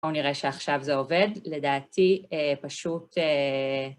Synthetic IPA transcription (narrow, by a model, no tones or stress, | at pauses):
uniʁeʃeaχʃavzeo̞ve̞dle̞daːtiepaʃute